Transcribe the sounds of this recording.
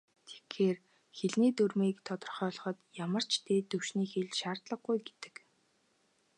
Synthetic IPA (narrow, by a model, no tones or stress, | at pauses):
t̪ʰe̥xxeːr | xeɮniːt̪ɵrmiːkt̪ʰɔt̪ɞ̆rχœːɮ̆χɞ̆t̪jamə̆r̥t͡ɕt̪eːt̪ɵwʃniːxeɮʃaːrt̪ɮə̆ɡɡujɡe̥t̪ɘ̥̆k